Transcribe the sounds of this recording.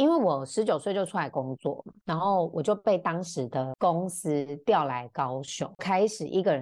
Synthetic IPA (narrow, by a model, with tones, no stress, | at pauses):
i˥nwe˥˩ɪwɔ˨˩ʂɻ̩˧˥t͡ɕjo˨˩ʊswe˥ɪt͡ɕjo˥˧ʊu˥la˧˥ɪkʊ˥ŋt͡swɔ̰˥˩na˧˥nxo˥˩ʊwɔ˨˩t͡ɕjo˥˧ʊpe˥˩ɪt̪ɑ˥ŋʂɻ̩˨˦d̪ə˧kʊ˦ŋs̩˥t̪jɑ˥˨ʊla˧˦ɪkɑ˥ʊɕjʊ̰˥˩˦ŋkʰa˥ɪʂɻ̩˨˩ʔḭ˧˥ɡə˨ɻə˧˦